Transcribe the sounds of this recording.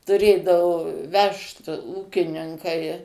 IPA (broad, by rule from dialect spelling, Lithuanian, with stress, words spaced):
tʊˈrʲeːdɐʋʊ ˈʋʲɛʃt ˈuːkʲɪnʲɪŋkɐɪ